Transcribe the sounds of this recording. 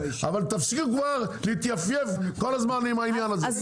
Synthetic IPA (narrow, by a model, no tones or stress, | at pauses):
avalt̪afsikuɡvaʁlit̪jafjevkolɐzmanimajimianaz